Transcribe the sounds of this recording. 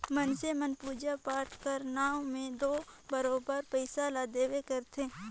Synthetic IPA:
mənsemənpuːd͡ʒapaːʈʰkəɾnaːõmẽd̪oːbəɾoːbəɾpəɪsalaːd̪eːwekəɾt̪ʰeː

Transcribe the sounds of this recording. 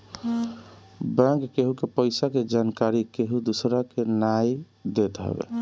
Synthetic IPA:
bɛ̃ŋkːeɦukepəɪsaked͡ʒankaɾikeɦud̪usɾakenaj | d̪et̪ɦɛ̰bḛ

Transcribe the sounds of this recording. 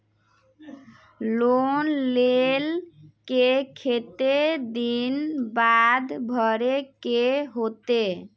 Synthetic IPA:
lonlelkekʰet̪ed̪inbad̪bʱɔɾekeɦot̪e

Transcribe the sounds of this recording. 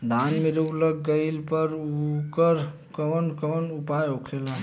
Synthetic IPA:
d̪ʱanmeɾuɡləɡːəɪlpəɾukəɾ | kənkənupajokʰela

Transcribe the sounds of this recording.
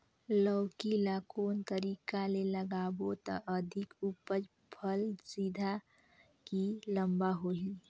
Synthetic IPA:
ləwkilakoːnt̪əɾiːkaleləɡaːbot̪ə̰ʔəd̪ʱɪkupəd͡ʒ | pʰəlsid̪ʱa | kiləmbaɦoi

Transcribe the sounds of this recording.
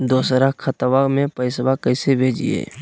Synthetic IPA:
d̪oːsɾakʰət̪ʋamẽpəɪsbakəɪsebʱeːd͡ʒḭḛː

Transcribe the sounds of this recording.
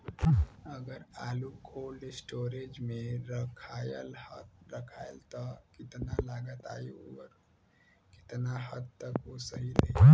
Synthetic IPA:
əɡəɾaːlukʰoːlɖsʈoːɾed͡ʒmẽɾəkʰaːjəlhɾəkʰaːjəlt̪ɔkɪt̪nalaːɡət̪a̰ːioɾ | kɪ̥t̪naɦəd̪̚t̪əkosəɦileː

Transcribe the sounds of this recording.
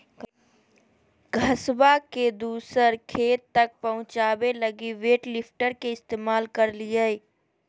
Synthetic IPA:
ɡʱɐswaked̪uːsəɾkʰeːt̪ːɐk̚pɐɦʊ̃t͡ʃaːʋelɐɡiʋeːʈlɪpʰʈəɾkeɪst̪eːmaːlkɐɾlijaeː

